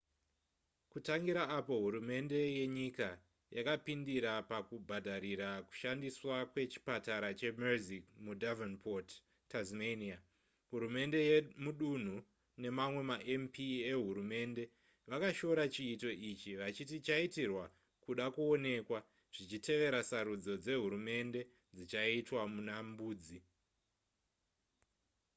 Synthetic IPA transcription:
kutaŋɡiɾaːpo̞ɦuɾume̞nde̞je̞ɲika | jakapindiɾapakubʱadʱaɾiɾaku̥ʃandiswakwe̞t͡ʃi̥pataɾat͡ʃe̞mezikmudavanpʰot | tazmenia | ɦuɾume̞nde̞jemuɗun̤u | ne̞mamwe̞maʔempieɦuɾume̞ːnde̞ | ʋakaʃo̞ɾat͡ʃiːto̞it͡ʃiʋat͡ʃitit͡ʃaitirwa | kuɗakuo̞ne̞kwa | ʐ̥it͡ʃite̞ʋe̞ɾasaɾud͡zo̞d͡ze̞ɦuɾume̞nde̞ | d͡zit͡ʃaitwamunambuːd͡zi

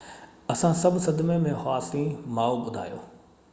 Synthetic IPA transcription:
ɐsãsɐbʱsɐd̪mẽmẽhaːsĩmaːoɓʊd̪ʱa̰ːjo̰ː

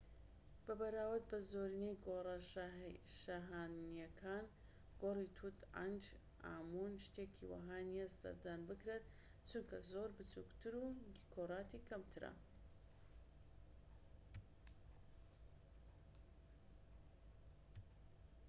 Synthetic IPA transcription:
b̥ɐbɐɾaːwɨɾt̪̚bɐzoɾinejɡorɐʃʃaɦanjɐkʰaːn | ɡorit̪ʰut̪ʕa̰nd͡ʒ | ʔa̰ːmunʃt̪ekʰḭwa̰ɦaːnijesɐ̰ɾd̪aːnbɨkɾet̪ | t͡ʃunkɐzoːɾbɨt͡sṵkt̪ʰɨɾukʰorˤɑːt̪ikʰɐmt̪ʰɨɾɐ̰

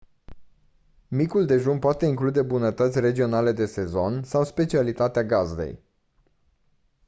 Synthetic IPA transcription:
mikuld̪e̞ʒumpoat̪e̞iŋklud̪e̞bunət̪ət̪sʲre̞d͡ʒio̞nale̞d̪e̞se̞zo̞nsawspe̞t͡ʃialit̪at̪eaɡazd̪e̞̰j

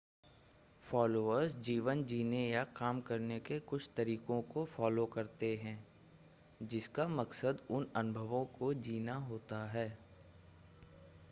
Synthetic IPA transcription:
fɔːloːəɾsd͡ʒiːʋənd͡ʒiːnejakaːmkɐɾnekekʊt͡ʃʰt̪ɐɾiːkõkofɔːlokɐɾt̪eɦɛ̃ː | d͡ʒɪskamɐksəd̪ʊnɐnʊbʱəʋõkod͡ʒiːnaɦoːt̪aɦɛː

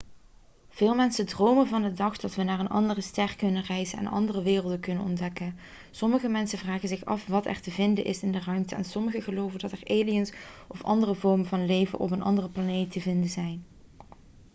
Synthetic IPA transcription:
v̥ɪːlˠmɛnsədrowmənvɑndədɑχd̥ɑtʋənaːɹənʔɑ̰ndərəstɛɹkɵnərɛjzənɛ̰nɑ̰ndərəʋɪːrlˠdəkɵnənɔndɛkən | sɔməɣəmɛnsənvraːɣənzɪxɑ̰fʋɑtɛ̰ɹtəvɪndənʔɪ̰sɪndərœɥmtəɛ̰nsɔməɣəɣəlowvəndɑtɛɹʔeːlijənsɔfɑ̰ndərəvɔɹmənvɑnlejvə̰ʔɔ̰p̬ənʔɑ̰ndərəplanejtəvɪndəzɛjn

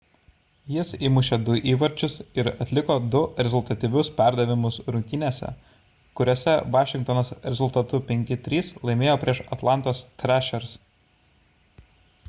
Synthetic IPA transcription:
jɪsimʊʃʲed̪ʊʔiːʋɐɾʲt͡ʃʲʊsɪɾɐt̪ʲlʲɪkoːd̪ʊɾʲɛzʊlˠt̪ɐt̪ʲiʋʲʊspʲæˑɾd̪ɐʋʲɪmʊsɾʊŋʲkʲɪnʲeːsʲɛ̰ | kʊɾʲoːsʲɛʋɑːʃʲɪŋk̚t̪ɔnoːsɾʲɛzʊlˠt̪ɐt̪ʊpʲɛŋʲkʲɪt̪ʲɾʲiːslˠɐɪmʲeːjoːpʲɾʲiɛʃɐt̪lˠɑnt̪oːst̪ʲɾʲæʃʲɛɾs

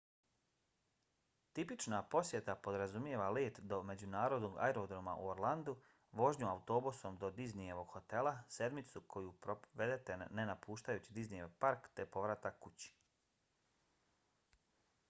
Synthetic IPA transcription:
t̪ipit͡ʃnapo̞sjet̪apo̞d̪ɾazumje̞ʋaleːt̪d̪o̞me̞d͡ʑunaːɾo̞d̪noɡa̰eɾod̪ɾoma̰ʔṵoɾlˠand̪u | ʋo̞ʒɲuaut̪o̞busomd̪o̞d̪iznijeʋo̞ɡ̥xo̞t̪e̞lˠase̞d̪mit̪sukʰo̞jupɾoʋe̞d̪et̪e̞nenapʰuːʃt̪ajuːt͡ɕid̪iznijeʋpaɾkt̪epo̞ʋɾat̪akkːut͡ɕi̥

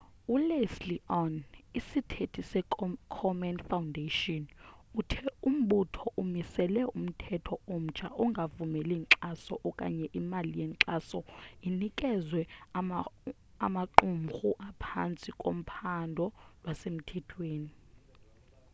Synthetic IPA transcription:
ulesliʔɔnisitʰetʰisɛkʰɔmɛnfawundeʃɔnutʰɛum̩ɓutʰɔʔumisɛlɛum̩tʰɛtʰɔom̩t͡ʃʰʼaʔɔŋɡʱavumɛliŋǀasɔʔɔkʼa̰ɲɛʔimalijɛŋǁasɔinikʼɛzwɛ | amaǁumxuʔapʰa̰nt͡sʼikʼo̰m̩pʰandʱɔlwasem̩tʰɛtʰweːni

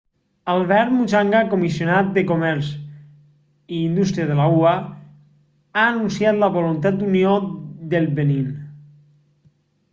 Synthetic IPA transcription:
alβɛɾt̪mut͡ʃaŋɡakomisionat̪̚d̪ekomɛɾz | iːnd̪ust̪ɾiaðelaua | aːnunsiat̪laβolunt̪at̪̚d̪unjod̪elˠbenin

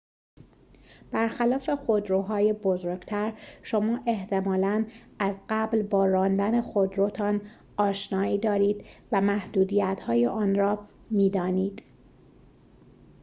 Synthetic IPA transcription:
b̥æɾxælɒːfe̞xod̪ɾoːɦɒːjebozoːɾɡ̥t̪ʰæɾʃo̞mɒːʔe̞ht̪ʰe̞mɒːlæn | æzɢæblbɒːɾɒːnd̪æne̞xod̪ɾot̪ʰɒːn | ɒːʃnɒːiːd̪ɒːɾiːd̪væmæhd̪uːd̪ijæt̪ʰhɒːjeʔɒːnɾɒː | miːd̪ɒːniːd̪̥

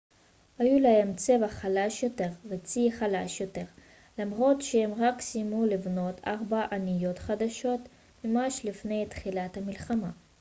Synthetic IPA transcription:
hajulahe̞mt͡se̞vaχalaʃjo̞t̪e̞ʁvet͡siχalaʃjo̞te̞ʁ | lamʁo̞t̪ʃehemʁaksijmulivno̞t̪ʰaʁbaʔanijo̞t̪χad̪aʃo̞t̪ | memaʃlifne̞jt̪χilat̪hamilχama

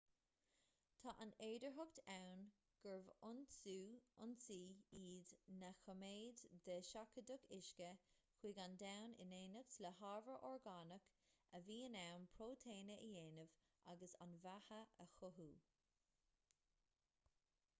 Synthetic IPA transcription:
t̪ʰaːʔaneːdəɹɦʊɡt̪ʰawn | ɡ̥əɹvʊnsuːʊnsiːiːdnəxəmeːd̪d̪əʃakədəɡɪʃkəkwiːɡandawnɪ̰neːnəksləhɑːɹvəɹʔɔɹɡaːnəkəviːənawnpʰɹoːt̪ʰeːnəʔəjeːnəv | ʔaɡəsa̰nvahəʔəxʊɦuː

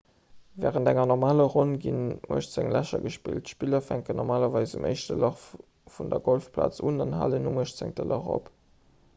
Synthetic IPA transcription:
vɛːʁəntæŋɐnɔʁmaːləʁonɡinmʔuəʃt͡sæŋlæʃɐ̰ɡəʃpḭltʃpilɐfæŋkənːɔʁmaːlɐvɑɪzumʔəɪʃtəlɑχ | fundɐɡolfpʰla̰ːt͡suːnɑnɦa̰ːlənumuəʃt͡sæŋtəlɑʁo̰p

